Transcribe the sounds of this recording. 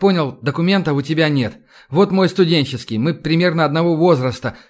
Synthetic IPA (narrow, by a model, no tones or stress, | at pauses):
po̞nʲɪlˠd̪əkʊmʲe̞nt̪əʊtʲɪbʲanʲe̞t̪ | vo̞t̪mo̞jst̪ʊdʲenʲt͡ɕɪskʲɪjmɨpɾʲɪmʲe̞rnəɐd̪nɐvo̞vo̞zɾəst̪ə